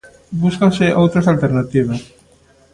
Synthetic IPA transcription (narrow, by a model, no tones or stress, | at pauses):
buskawseʔowt̪ɾesalt̪eɾnat̪iβ̞as